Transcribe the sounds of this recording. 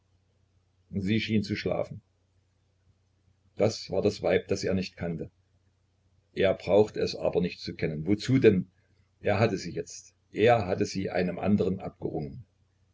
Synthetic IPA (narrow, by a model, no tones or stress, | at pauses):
ziːʃiːnt͡suʃla̰ːfn̩ | d̥asv̥a̰ːɐdasv̥aɪp̚d̥asʔeːɐnɪçtkʰantə | ʔeːɐbʁaʊxtəɛsʔa̰ːbɐnɪçtt͡sukʰɛnənvot͡suːdɛn | ʔeːɐɦatəziːjɛt͡st | ʔeːɐɦatəziːʔa̰ɪnəmʔa̰ndəʁ̞ənʔa̰p̚ɡ̥əʁʊŋən